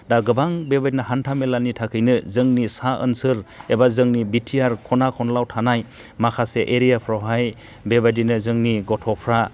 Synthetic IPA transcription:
daɡɯbaŋbebadinaɦantʰamelanitʰakʰɯjnɯzɯŋnisaʔɯ̰nsɯɾebazɯŋnibitʰijaɾkʰɔnakʰɔnlawtʰanaj | makʰaseʔeɾijapʰɾawɦaj | bebadinɯzɯŋniɡɔtʰɔpʰɾa

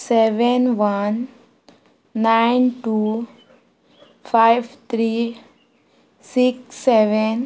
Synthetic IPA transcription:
seʋenʋan | aɪnʈu | fʰaɪʋt̪ʰɾiː | sikːeʋen

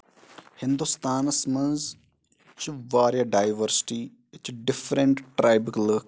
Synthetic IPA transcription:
hɪ̃nd̪ust̪aːnɐsmɐnz | t͡ʃuʋaːɾjɐɖaːjʋəɾsɪ̥ʈi | t͡ʃɖɪfɾəɳʈʈɾajbɪklək

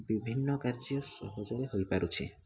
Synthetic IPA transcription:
bibʱinːɔkaɾd͡ʒiɔsɔ̰ɦɔd͡ʒɔɾeɦojpaɾut͡ʃʰi

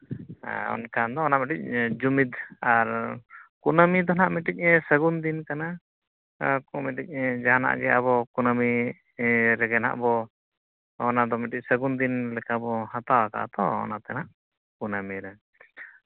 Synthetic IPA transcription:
ɔ̰nkand̪ɔɔnaʔmiʈic̚d͡ʒumid̪aɾkunəmid̪ɔnaʔmiʈic̚səɡund̪inkana | kɔmiʈic̚ˀd͡ʒaɦana̰ʔɡɛa̰βɔkunəmi | ɾɛɡɛna̰ʔbɔ | ɔnad̪ɔmiʈic̚səɡund̪inlɛkabɔhat̪awaka̰ʔt̪ɔɔ̰nat̪ɛnaʔ | kunamiɾɛ

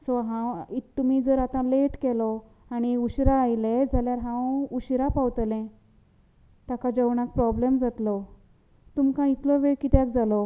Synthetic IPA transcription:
sɔɦãwiːumiːd͡zəɾat̪ãleʈkɛlɔ | aɽ̃iuɕɾaːjled͡zʱaljaɾɦãwuɕɾapawt̪lɛ̃ | t̪akad͡ʑəwɳak̚pɾɔblemd͡zat̪lɔ | t̪umkãit̪lɔʋeɭkit̪jakd͡zalɔ

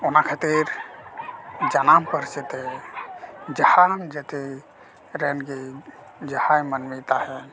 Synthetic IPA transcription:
onakʰat̪iɾ | d͡ʒanampəɾt͡ʃit̪ɦɛ | d͡ʒəhand͡ʒət̪i | ɾenki | d͡ʒəhajmənmit̪aɦɛ

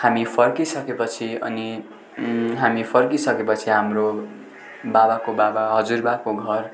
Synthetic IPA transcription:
hamipʰʌrkisʌkepʌt͡sʰiʌ̰ni | ɦamipʰʌrkisʌkepʌt͡sʰiɦamro | babakobabaɦʌd͡zurbakoɡʱʌr

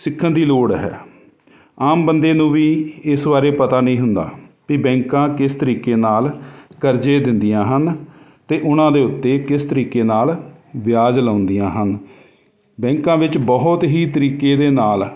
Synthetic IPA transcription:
sɪkʰːənd̪iːloːɽɦɛ̰ː | aːmbənd̪eːnũːʋiːɪsbaːɾeːpət̪aːnəĩːɦʊnd̪a̰ːpiːbɛ̃ːŋkãːkɪst̪əɾiːkeːnaːlkəɾd͡ʒeːd̪ɪnd̪ɪjãːɦən | t̪eːʔʊnãːd̪eːʊt̪ːeːkɪst̪əɾiːkeːnaːlʋɪjaːd͡ʒlaːʊnd̪ijãːɦən | bɛ̃ːŋkãːʋɪt͡ʃbɔːt̪ɦiːt̪əɾiːkeːd̪eːnaːl

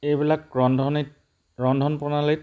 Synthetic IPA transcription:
ejbilak̚ɹɔndʱɔnit | ɹɔndʱɔnpɔnalit̚

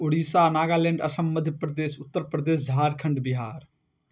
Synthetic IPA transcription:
oɽiːsaːnaːɡaːlẽːɳɖɐsɐmːɐd̪ʱjəpɾəd̪eːsʊt̪ːəɾpɾɐd̪eːsd͡ʒʱaːɾkʰɐɳɖbɪɦaːɾ

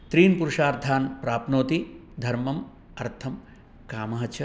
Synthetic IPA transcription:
t̪ɾiːnpuɾuʂaːɾd̪ʱaːnpɾaːpnoːt̪i | d̪ʱɐɾmɐm | ɐɾt̪ʰɐm | kaːmɐɦɐt͡ʃʰɐ

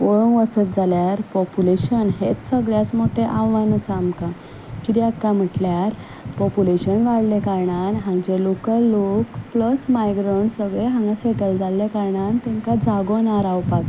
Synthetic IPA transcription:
oɭoʋəsət̪̚d͡zʱaljaɾpɔpuleɕənɦet͡ssəɡɭjat͡smoʈʰeʔãʋʋanəsaːmkã | kiɾiakːam̤əʈljaɾ | pɔpuleɕənʋaɽlekaɾɳanɦãŋd͡ʑelokəlːokpləsmajɡɾoɳsəɡɭeɦãŋɡaseʈəld͡zalːekaɾɳant̪ẽŋkad͡zaɡonaɾawpak

